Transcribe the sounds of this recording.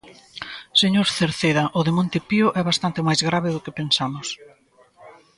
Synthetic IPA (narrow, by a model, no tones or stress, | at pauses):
seɲoɾθeɾθeðɐʔʊðemõnt̪epiʊʔɛβast̪ant̪ɪmajzɣɾaβɪðʊkɪpensamʊs